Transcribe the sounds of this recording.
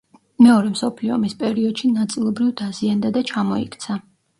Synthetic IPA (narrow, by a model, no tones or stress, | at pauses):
mɛɔɾɛmsɔpʰliɔ̰mispʼɛɾiɔd̪̥ʃinat̪sʼilˠɔbɾivd̪aziand̪ad̪at͡ʃʰamɔḭkʰt̪sʰa